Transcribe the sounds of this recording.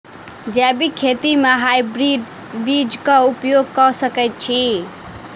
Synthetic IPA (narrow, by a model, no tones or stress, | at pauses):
d͡ʒɛbikʰet̪imeɦajbɾibid͡ʒkaupjoɡ̚kɔsəkɛjt̪̚t͡ʃʰi